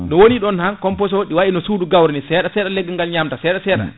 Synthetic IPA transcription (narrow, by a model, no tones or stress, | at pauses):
nɔwoniɗɔnhankɔmpɔs̬woɗiwaɗinɔsuːduɡawɾɛnɛsɛːɗasɛːɗalɛɡːɛŋɡalɲamtasɛːɗasɛːɗa̰